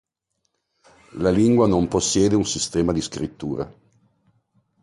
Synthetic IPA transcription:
laliŋɡwanomposːjɛːd̪eunsist̪ɛːmad̪iskɾit̪ːuːɾḛ

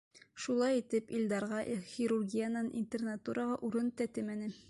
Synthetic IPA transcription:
ʃulˠɑjit̪ɘpilʲd̪ɑɾʁɑʔxʲiɾurɡʲijanɑnʔḭnʲt̪ʲernat̪uɾʔəʁɑʔuɾɤnt̪æt̪ɘmænɘ

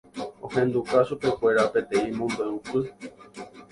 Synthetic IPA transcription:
õhẽ̞nd̪ukaʃupe̞kʷe̞ɾape̞t̪ẽ̞ĩmõmb̪eupɨ

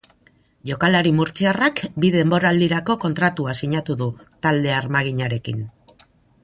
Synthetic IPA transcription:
ʝo̞kalaɾimuɾt͡siarakbiðe̞mbo̞ɾaːld̪iɾako̞ko̞nt̪ɾat̪uasiɲat̪uðut̪ald̪e̞aɾmaɣ̞iɲaɾe̞kin

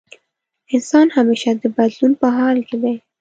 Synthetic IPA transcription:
ɪnsɑnhameʃad̪əbad̪lunpəɦɑlkɪd̪aj

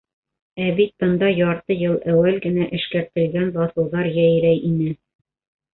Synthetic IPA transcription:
æbit̪̚bɤ̆nd̪ɑjɒɾt̪ɤjɤlˠʔæwælɡɘ̆næʔɘ̆ʃkæɾt̪ɘ̆lɡænbɒθɤ̆lˠðɑɾjæjɾæjʔinɘ

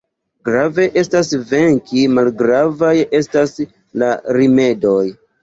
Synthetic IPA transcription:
ɡɾave̞ʔe̞stasve̞ŋkimalɡɾavaje̞stas | laɾime̞do̞j

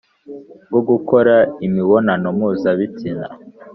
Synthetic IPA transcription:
ɡoɡukoɾaimiβonanomuːzaβitina̰

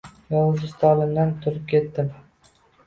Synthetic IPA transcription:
jɒlˠzɪst̪ʰɑlˠɪmd̪ant̪ʰʊɾʊp̚kʲʰet̪ːɪm

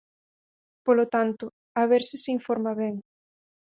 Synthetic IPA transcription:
polot̪ant̪ʊ | aβeɾsɪsiɱfoɾmaβɛŋ

